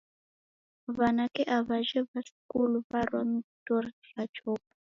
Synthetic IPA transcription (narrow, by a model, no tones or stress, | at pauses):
βanakɛʔaβaʒɛβaskuluβaɾɔntɔrɬat͡ʃʰɔːpḁ